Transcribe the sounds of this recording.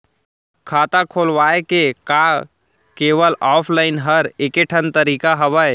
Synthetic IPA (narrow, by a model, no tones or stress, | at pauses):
kʰaːt̪akʰoːlʋaːekekaː | keːʋəlaːpʰlaːɪnɦəɾekeʈʰənt̪əɾiːkaɦɐʋae